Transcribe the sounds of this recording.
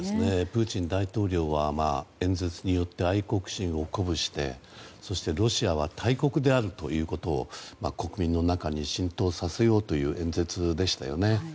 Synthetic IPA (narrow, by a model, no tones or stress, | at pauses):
d̪esɨne̞pɯ̟ːt͡ɕĩnd̪ait̪o̞ːɾʲo̞ːβamaːẽ̞nd͡ze̞t͡sɨɲ̟ijo̞t̪ːe̞aiko̞kɯ̟̥ɕĩɰ̃o̞ko̞bɯ̟ɕi̥t̪e̞̰so̞ɕi̥t̪e̞ɾo̞ɕiaβ̞at̪ʰaiko̞kɯ̟d̪e̞aɾɯ̟t̪o̞̰jɯ̟ːko̞t̪o̞̰ːmako̞kɯ̟mʲĩnːo̞nakaɲ̟iɕĩnt̪o̞ːsase̞jo̞ːt̪o̞jɯ̟ːʔẽ̞nd͡ze̞t͡sɨd̪e̞ɕi̥t̪a̰jo̞̰ne̞